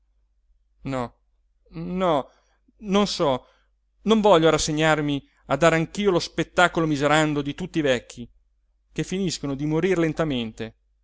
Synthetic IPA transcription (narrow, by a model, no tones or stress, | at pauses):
nɔ | nɔ | nonsɔ | noɱvɔʎːoɾasːeɲːarmi | ad̪ːaːɾeaŋk̟iːolospet̪ːaːkolomizeɾand̪od̪it̪ut̪ːivɛkːi | kefːiniskonod̪imoɾiɾlent̪ament̪e